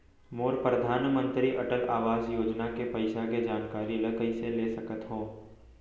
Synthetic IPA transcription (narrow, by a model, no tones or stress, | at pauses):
moːɾpɾəd̪ʱaːnmə̃nt̪ɾiʔɐʈəlaːʋaːzjoːd͡ʒnakepɐɪʃaked͡ʒaːnkaːɾiləkəiseleːsɐkət̪ɦõː